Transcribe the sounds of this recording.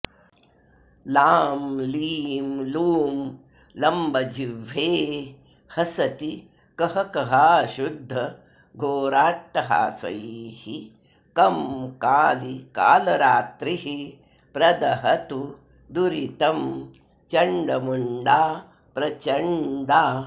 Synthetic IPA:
laːmliːmluːm | lɐmbʱɐd͡ʒiʋːeː | hɐsɐt̪i | kɐɦɐkɐɦaːʃud̪ʱːɐ | ɡʱoːɾaːʈːɐɦa̰ːsɐ̰jhi | kɐmkaːlika̰ːlɐɾaːt̪ɾiɦi | pɾɐd̪ɐɦɐt̪u | d̪uɾit̪ɐm | t͡ʃɐɳɖɐmuɳɖaː | pɾɐt͡ʃɐɳɖaː

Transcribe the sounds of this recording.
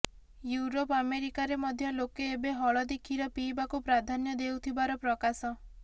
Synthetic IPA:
juɾopameɾikaɾemɔd̪ʱjɔlokeːbeɦɔɭɔd̪ekʰiɾɔpibakupɾad̪ʱanjɔd̪ewt̪ʰibaɾɔpɾɔkasɔ

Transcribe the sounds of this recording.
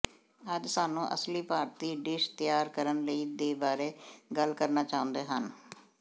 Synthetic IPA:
əd͡ʒsaːnũːʔə̰sliːpaːɾt̪iːɖɪʃt̪ɪjaːɾkəɾənləiːd̪eːbaːɾeːɡəlkəɾnaːt͡ʃaːõnd̪eːɦən

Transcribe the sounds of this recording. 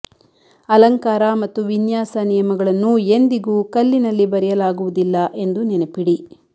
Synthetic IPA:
ɐlɐŋkaːɾɐmɐt̪ːuʋinjaːsɐnijɐmɐɡɐɭɐnːue̞nd̪iɡuːkɐlːinɐlːibɐɾɛjɐlaːɡuʋud̪ilːɐʔe̞nd̪unɛnepiɽi

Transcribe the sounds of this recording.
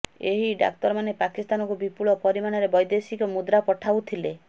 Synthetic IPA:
eɦiɖa̰k̚t̪ɔɾmanepakist̪anɔŋkubipuɭɔpɔɾimaɽ̃ɔɾebɔjd̪esikɔmud̪ɾapɔʈʰawt̪ʰile

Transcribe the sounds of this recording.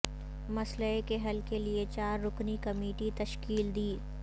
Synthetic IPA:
mɐsləekeɦɐlkeliet͡ʃaːɾːʊknikɐmeːʈit̪ɐʃkiːld̪iː

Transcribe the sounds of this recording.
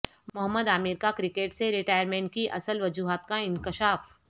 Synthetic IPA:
mʊɦəmːəd̪aːmɪɾkakɾɪkeːʈseɾɪʈaːjəɾmẽːɳʈ̚kiʔɐ̰səlʋɐd͡ʒuːɦaːt̪̚kaɪ̃ŋkɪʃaːf

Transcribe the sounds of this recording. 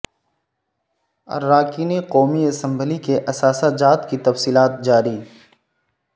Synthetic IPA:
ɐ̰ɾːaːkiːneqɔːmiɐsə̃mbəlikeʔɐsaːsad͡ʒaːt̪kit̪ɐfsiːlaːt̪̚d͡ʒaːɾiː

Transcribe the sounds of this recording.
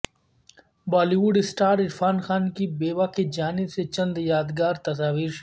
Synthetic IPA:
baːliwʊɖɪsʈaːɾɪɾfaːnxaːnkibeːʋakid͡ʒaːnɪbset͡ʃɐ̃nd̪jaːd̪ɡaːɾt̪ɐs̬aːʋiːɾʃ

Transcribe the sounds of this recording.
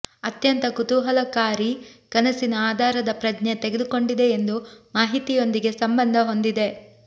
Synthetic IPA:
ɐt̪jɐnt̪ɐkut̪uɦɐlɐkaːɾikɐnɐsinɐaːd̪ʱaːɾɐd̪ɐpɾɐd͡ʒnet̪eɡed̪uko̞ɳɖid̪e̞ːnd̪umaːɦit̪ijo̞nd̪iɡe̞sɐmbɐnd̪ʱɐɦo̞nd̪id̪e̞

